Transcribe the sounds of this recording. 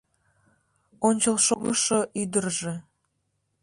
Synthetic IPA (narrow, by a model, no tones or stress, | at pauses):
onʲt͡ɕəlʃoɣəʃoʔyd̪ərʒe